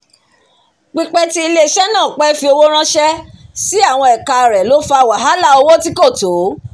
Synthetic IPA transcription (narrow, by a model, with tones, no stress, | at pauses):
k͡pi˧k͡pɛ˦ti˦i˧le˦˧ʃɛ˦nãː˦˨k͡pɛ˦fi˧o˧wo˦ɾ̃ã˦ʃɛ˦si˦a˦˨w̃ɔ̃˧ɛ˨ka˧˨ɾɛ˨lo˨˦fa˧˨wa˨ɦa˨˦la˦˨o˧wo˦ti˦ko˦˨to˨˦